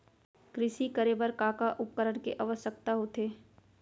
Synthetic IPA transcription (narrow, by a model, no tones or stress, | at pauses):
kɾɪʃikəɾeːbəɾkaːkaʔʊp̚kəɾəɽkeʔɐʋəsək̚t̪aɦot̪ʰeː